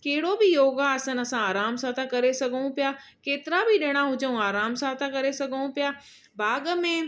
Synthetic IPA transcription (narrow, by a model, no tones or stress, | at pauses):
keɦɪɽobɪjoːɡaɐsə̃nɐsãaːɾaːmsãt̪ʰãkɐɾesɐɡʱəɽ̃ũpijaː | keːt̪ɪɾabʱɪɗɪːɽ̃aɦʊd͡ʑəũaːɾaːmsãt̪ʰãkɐɾesɐɡʱəɽ̃ũpijaː | bʱaːɡəmẽ